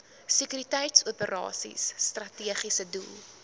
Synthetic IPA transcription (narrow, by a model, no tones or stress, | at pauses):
səkyɾitɛjtsuəpəɾʔɑ̰ːsḭsːtrɐtiəχisədulˠ